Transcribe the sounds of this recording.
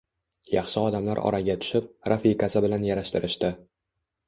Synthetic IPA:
jɑχʃɪɒd̪amlaɾɒ̰ɾaɡʲat̪ʰʊ̥ʃɪp̚ɾʔafikasɪbɪlanjaɾaʃt̪ɪɾʔɪʃt̪ɪ

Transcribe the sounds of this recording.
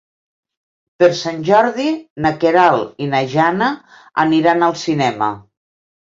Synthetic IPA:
peɾsanʲʒɔɾðinəkeɾalinaʒanə | ə̰niɾanəlˠsinɛmə̰

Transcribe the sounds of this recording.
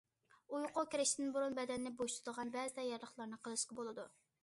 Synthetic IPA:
ujqokʲeɾɪʃt̪ɪd̪ɪnbuɾunbɛd̪ɛnːɪboʃt̪ʰud̪əʁɑnbɛzɪd̪ɛjɛɾlˠəχlˠɑɾnɨqʰəlˠɨʃqɑbolˠɨd̪u

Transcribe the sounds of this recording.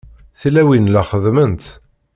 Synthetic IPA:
θlæwinlæχəðmənt̪

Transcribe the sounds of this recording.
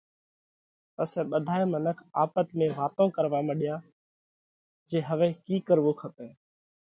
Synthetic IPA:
pəsɛːɓəd̪ʱaːeːmənəkʰa̰ːpət̪mẽːʋaːt̪õːkəɾʋaːməɗɪjaː | d͡ʒeːɦəʋeːkiːkəɾʋoːkʰəpeː

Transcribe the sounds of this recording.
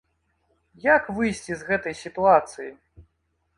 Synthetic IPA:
jakvɨjsʲt͡sʲizɣɛt̪ɐjsʲit̪uat̪sɨji

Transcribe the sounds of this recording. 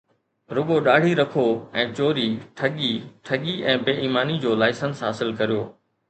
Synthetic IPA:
ɾʊɠoɗaːɽ̤ʱiɾɐkʰoɛ̃ːt͡ɕoːɾiʈʰɐɠiʈʰɐɠiʔɛ̃ːbeːʔiːmaːnid͡ʑoːlaːɪsənsɦa̰ːsɪlkɐɾijoː

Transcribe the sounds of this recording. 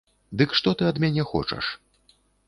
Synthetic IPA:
d̪ɨkʂt̪ɔt̪ɨɐd̪mʲanʲɛxɔ̰t͡ʂɐ̰ʂ

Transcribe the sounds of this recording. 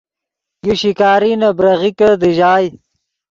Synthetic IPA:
juɕikaːɾinabɾɐɣikəd̪iʒaːj

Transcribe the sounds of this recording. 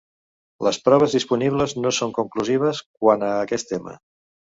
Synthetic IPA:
ləspɾɔβ̞əzðispuniβləznosoŋkuŋkluziβ̞əsk̚wanəːkɛst̪emə̰

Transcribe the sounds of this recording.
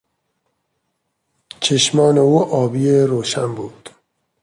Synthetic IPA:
t͡ʃʰeʃmɒːne̞uːʔɒːbiːeɾoːʃænbuːd̪̥

